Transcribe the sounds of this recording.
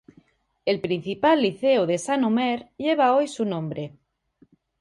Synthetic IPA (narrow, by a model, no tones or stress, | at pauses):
elpɾin̟θipalːiθeoð̞e̞sanomeɾʎeβ̞aojsunõmbɾe